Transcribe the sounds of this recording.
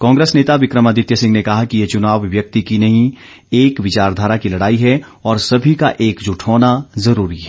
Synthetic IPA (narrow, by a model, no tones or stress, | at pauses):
kãːŋɡɾeːsneːt̪aʋɪkɾəmad̪ɪt̪jəsɪ̃ŋɡnekɐɦakijet͡ʃʊnaːʋːjɐk̚t̪ikinɐɦĩ | eːkʋɪt͡ʃaːɾd̪ʱaːɾakilɐɽaːiɦɛ | ɔːɾsɐbʱikaʔeːkd͡ʒʊʈʰoːnazɐɾuːɾiɦɛː